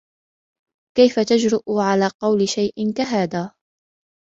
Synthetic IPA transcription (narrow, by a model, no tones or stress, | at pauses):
kajfat̪ad͡ʒɾɪʔʊʕalaːqɑwlɪʃajʔɪnkaɦaːd̪aː